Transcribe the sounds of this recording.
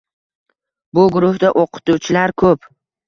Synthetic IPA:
bʊɡʊɾʊhd̪aʔoqʰɨ̥t̪ut͡ʃʰɪlaɾkʰɵp

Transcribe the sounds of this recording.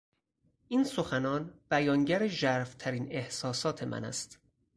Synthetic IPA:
ʔiːnsoxænɒːnb̥æjɒːŋɟæɾeʒæɾft̪ʰæɾiːne̞hsɒːsɒːt̪ʰe̞mʔæ̰næ̰st̪

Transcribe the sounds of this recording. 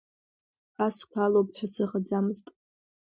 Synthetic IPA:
askʷʰalowpʼħʷᶣasɨʁad͡zamɨztʼ

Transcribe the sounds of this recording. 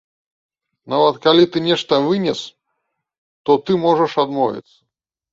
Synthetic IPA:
navɐt̪kalʲit̪ɨnʲɛʂt̪ɐvɨnʲɛs | t̪ɔt̪ɨmɔʐɐʂad̪mɔvʲḭt̪sɐ̥

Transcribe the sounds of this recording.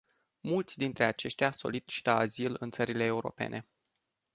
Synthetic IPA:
mult̪sʲd̪int̪ɾe̞at͡ʃe̞ʃt̪easo̞̰lit̪ʃi̥t̪aːzilɨ̰nt̪səɾile̞ːuɾo̞̰pe̞̰nʔe̞̰

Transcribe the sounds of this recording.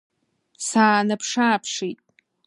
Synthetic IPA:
saːnapʰʂaːpʰʂitʼ

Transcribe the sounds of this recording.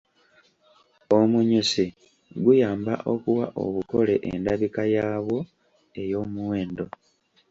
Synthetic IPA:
omuɲusi | ɡujaːmbaʔo̞kuwaʔo̰βuko̞le̞ʔḛndaβikajaːβwo̞ | e̞jo̞ːmuwe̞ːndo̞

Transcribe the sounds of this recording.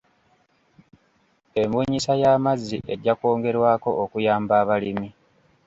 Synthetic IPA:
e̞muɲisajaːmazːiʔe̞̰ɟːako̞ːŋɡe̞ɾwaːko̞ʔːkujaːmbaːβalimi

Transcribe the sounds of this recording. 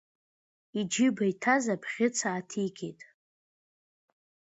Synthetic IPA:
id͡ʒɪbaitʰazabχʲɪt͡sʰaːtʰiɡʲejtʼ

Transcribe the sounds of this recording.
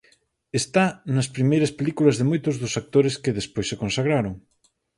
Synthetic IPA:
est̪anɐspɾimejɾɐspelikulɐzðɪmojt̪ʊzðʊsak̚t̪oɾɪskɪðespojsekonsaɣɾaɾoŋ

